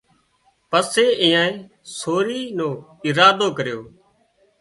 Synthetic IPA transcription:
pəseːɪ̃ːãːẽː | soːɾiːnõː | ɪɾaːd̪oːkəɾjoː

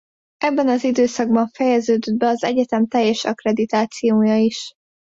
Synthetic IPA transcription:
ʔɛbːɛnɒzid̪øːsɒɡbɒɱfɛjɛzøːd̪ød̪̚bɛɒzɛ̰ɟɛt̪ɛmt̪ɛjːɛʃɒkrɛd̪it̪aːt̪sijoːjɒiʃ

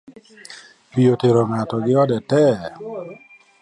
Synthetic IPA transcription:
pijoteɾoŋatɔɡɪɔdɛtɛ

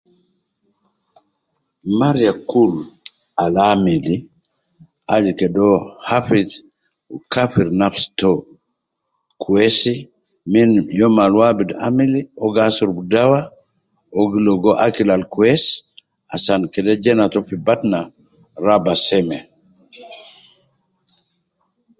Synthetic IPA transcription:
maɾijakul | alamili | ad͡ʒikɛdɔhafit | kafiɾnafstɔ | kʰuɛsi | minjɔmalwabida̰miliɔɡasuɾbudawa | ɔɡilɔɡɔʔakilalkuɛs | asankɛdɛd͡ʒɛnatɔfibatna | ɾabasɛmɛ

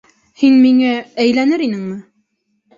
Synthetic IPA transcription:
hinmiŋææjlænɘɾinɘŋmɘ

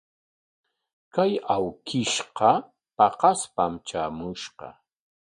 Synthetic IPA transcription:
kajawkʰɪʃqɑ | pɑqɑspamt͡ʃaːmʊʃqɑ̰

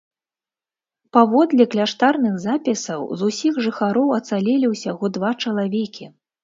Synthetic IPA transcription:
pavɔd̪lʲɐklʲaʂt̪arnɨɣzapʲisɐwzusʲiɣʐɨxaɾɔwɐt̪salʲɛlʲiwsʲaɣɔd̪vat͡ʂɐlˠavʲɛkʲʰi

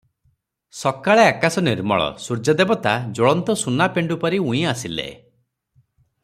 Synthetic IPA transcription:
sɔkaɭeakasɔniɾmɔ̰ɭɔ̰suɾd͡ʒad̪ebɔt̪ad͡ʒoɭɔnt̪ɔsunapeɳɖupɔɾiũĩasilḛ

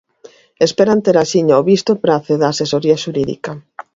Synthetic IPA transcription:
espeɾant̪eɾasiɲaoβist̪opɾaθeðaːsesoɾiaʃuɾiðḭka

